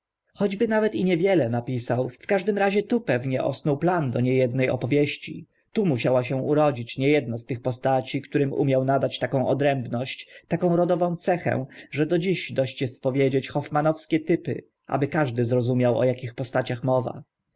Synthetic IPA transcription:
xɔd͡ʑbɘnavɛt̪iɲɛvʲjɛlɛnapʲisawfkaʐd̪ɘmɾaʑɛt̪upɛvɲɛʔɔ̰snuwpland̪ɔɲɛjɛd̪̚nɛjɔ̰pɔvʲjeɕt͡ɕḭ | t̪umuɕawaɕɛw̃uɾɔd͡ʑit͡ɕɲɛjɛd̪nɔst̪ɘxpɔst̪at͡ɕikt̪uɾɘmṵmʲjawnad̪at͡ɕt̪akɔ̃w̃ʔɔd̪ɾɛmbnɔɕt͡ɕt̪akɔ̃w̃ɾɔd̪ɔvɔ̃t̪sɛxɛ̰̃ʐɛd̪ɔd͡ʑiɕd̪ɔɕt͡ɕjɛst̪̚pɔvʲjed͡ʑet͡ɕxɔfmanɔfskʲɛt̪ɘpɘ̰ | ʔa̰bɘkaʐd̪ɘzɾɔzumʲjawɔ̰jakʲixpɔst̪at͡ɕaxmɔva̰

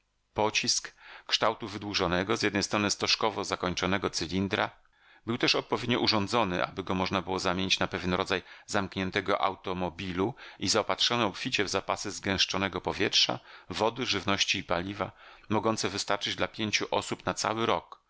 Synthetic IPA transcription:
pɔt͡ɕiskkʂt̪awt̪uvɘd̪wuʐɔnɛɡɔzjɛd̪nɛjst̪ɾɔnɘst̪ɔʂkɔvɔzakɔɲt͡ʂɔnɛɡɔt̪sɘlʲind̪ɾa̰ | bɘwt̪ɛʂɔt̪̚pɔvʲed̪ɲɔʔuʐɔnd̪zɔnɘ̰ʔa̰bɘɡɔmɔʐnabɘwɔzamʲjeɲit͡ɕnapɛvʲjɛnɾɔd̪zajzamkɲɛnt̪ɛɡɔʔa̰wt̪ɔmɔbʲiluizaɔpatʂɔnɛɔpfʲit͡ɕɛvzapasɘzɡɛ̃w̃ʂt͡ʂɔnɛɡɔpɔvʲjɛtʂa̰vɔd̪ɘʐɘvnɔɕt͡ɕiːpalʲiva | mɔɡɔnt̪sɛvɘst̪aɾt͡ʂɘd͡ʑd̪lapʲjeɲt͡ɕuʔɔsupnat̪sa̰wɘɾɔk

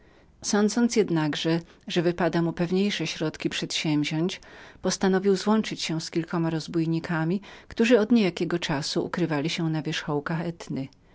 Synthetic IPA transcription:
sɔnd̪zɔnt̪sʲjɛd̪naɡʐɛʐɛvɘpad̪amupɛvɲejʂɛɕɾɔt̪kʲipʂɛt̪ɕɛ̃mbʲʑɔɲt͡ɕpɔst̪anɔvʲiwzwɔnt͡ʂɘt͡ɕɕɛ̃skʲilkɔmaɾɔzbujɲikʰamʲikt̪uʐɘɔd̪ɲejakʲɛɡɔt͡ʂasuʔṵkɾɘvalʲiɕɛnavʲjɛʂxɔwkaxɛt̪nɘ

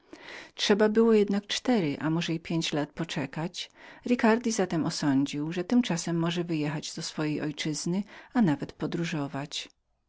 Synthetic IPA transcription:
tʂɛbabɘwɔjɛd̪nak̚t͡ʂt̪ɛɾɘʔa̰mɔʐɛipʲjeɲt͡ɕlat̪̚pɔt͡ʂɛkat͡ɕɾɘkaɾd̪ʲizat̪ɛmɔsɔɲd͡ʑiwʐɛt̪ɘmt͡ʂasɛmːɔʐɛvɘjɛxad͡ʑd̪ɔsfɔjejʔɔjt͡ʂɘznɘanavɛt̪pɔd̪ɾuʐɔvat͡ɕ

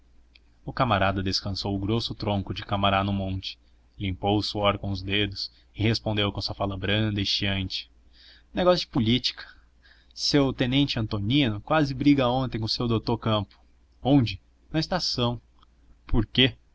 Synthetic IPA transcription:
ʊkamaɾad̪ɐd̪eskɐ̃sowʊɡɾosʊt̪ɾõŋkʊd͡ʒɪkamaɾanʊmõnt͡ʃɪ̥ | lĩmpowʊsuɔɾkõʊzd̪ed̪ʊs | ɪhespõnd̪ewkõsuɐfalɐbɾɐ̃d̪ɐɪʃiɐ̃nt͡ʃɪ̥ | neɡɔsjʊd͡ʒɪpʊlit͡ʃi̥kʰɐ̥ | sewt̪ẽnẽnt͡ʃɪɐ̃nt̪onĩnʊkwazɪbɾiɡɐõnt̪ẽj̃kʊ̃sewd̪owt̪oɾkɐ̃mpʊ̥ | õd͡ʒɪ | nɐɪst̪asɐ̃w̃ | pʰoɾke

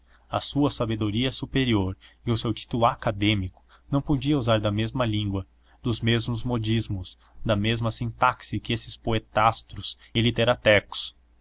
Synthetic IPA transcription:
ɐ̰suɐsabed̪oɾiɐsupeɾioɾɪʊsewt͡ʃi̥t̪ulʊakad̪ẽmikʊ̥ | nɐ̃w̃pod͡ʒiɐuzaɾd̪ɐmezmɐlĩŋɡwɐ | d̪ʊzmezmʊzmod͡ʒizmʊs | d̪ɐmezmɐsĩnt̪aksɪkɪesɪspoet̪ast̪ɾʊsɪlit̪eɾat̪ɛkʊ̥s

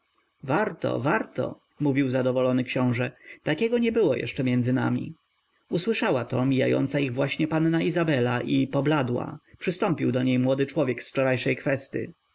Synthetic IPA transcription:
vaɾt̪ɔ̰vaɾt̪ɔ̰ | muvʲiwzad̪ɔvɔlɔnɘkɕɔ̃w̃ʐɛt̪akʲɛɡɔɲɛbɘwɔjʔɛ̰ʂt͡ʂɛmʲjɛnd̪zɘna̰mʲḭ | uswɘʂawat̪ɔmʲija̰jɔ̰nt̪saiɣvwaɕɲɛpannaizabɛlaʔipɔblad̪wa̰pʂɘst̪ɔmpʲiwd̪ɔɲejmwɔd̪ɘt͡ʂwɔvʲjɛksft͡ʂɔɾajʂɛjkfɛst̪jə̰

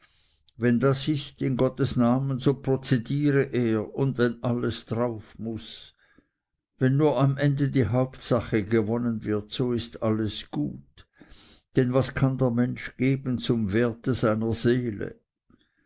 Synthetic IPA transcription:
vɛndasɪstɪnɡɔtəsnaːmənzoːpr̥ot͡sediːʁəʔeːɐʊndvɛnʔaləsd̥ʁaʊfmʊs | vɛnːuːɐamʔɛndədiːɦaʊptsaχəɡəvɔnənvɪɐtsoːɪstaləsɡ̥ṵːt | d̥ɛnvaskʰandɛːɐmɛnʃɡ̥eːbən̩t͡sʊmveːɐtəz̥aɪnɐz̥eːlə̰

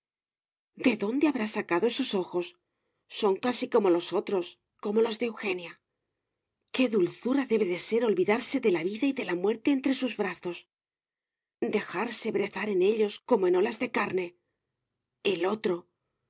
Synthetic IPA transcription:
d̪e̞ðo̞nd̪e̞aβɾasakaðo̞e̞so̞so̞xo̞sː | o̞ŋkasiko̞mo̞lo̞so̞t̪ɾo̞s | ko̞mo̞lo̞zðeewxe̞nja | ke̞ðulθuɾaðe̞βe̞ðe̞se̞ɾo̞lβiðaɾse̞ðe̞laβiðaiðe̞lamwe̞ɾt̪e̞ːnt̪ɾe̞suzβɾaθo̞s | d̪e̞xaɾse̞βɾe̞θaɾe̞ne̞ʎo̞sko̞mo̞e̞no̞lazðe̞kaɾne̞ | elo̞t̪ɾo̞

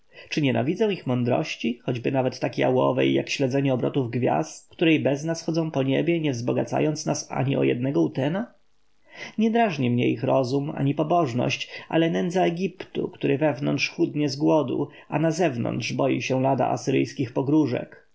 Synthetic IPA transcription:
t͡ʂɘɲɛna̰vʲid̪zɛ̃w̃ixmɔnd̪ɾɔ̰ɕt͡ɕixɔd͡ʑbɘnavɛt̪ːakʲia̰wɔ̰vɛ̰jːa̰kɕlɛd̪zɛɲɛɔbɾɔ̰t̪uvɡvʲja̰st̪kt̪uɾɛjbɛznasxɔd̪zɔ̃w̃pɔɲɛbʲjɛɲɛvzbɔɡat̪sa̰jɔnt̪snasa̰ɲiɔ̰jɛ̰d̪nɛɡɔut̪ɛna | ɲɛd̪ɾaʐɲɛmɲɛixɾɔzuma̰ɲipɔbɔʐnɔ̰ɕt͡ɕʔa̰lɛnɛnd̪zaɛɡʲipt̪ṵkt̪uɾɘvɛvnɔ̰ntʂxud̪ɲɛzɡwɔd̪ṵ | anazɛvnɔ̰nt̪ʂbɔjiɕɛ̃lad̪a̰ʔasɘɾɘjskʲixpɔɡɾuʐɛ̰k

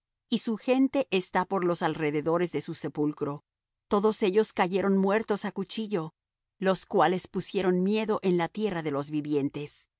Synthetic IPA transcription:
isuxe̞nt̪e̞ʔest̪apo̞ɾlo̞salre̞ðe̞ðo̞ɾe̞zðe̞suse̞pulkɾo̞ | t̪o̞ðo̞se̞ʝo̞skaʝe̞ɾo̞nmwe̞ɾt̪o̞sakut͡ʃiʝo̞ | lo̞skwale̞spusje̞ɾo̞nmje̞ðo̞ʔe̞nlat̪je̞raðe̞lo̞zβiβje̞nt̪e̞s

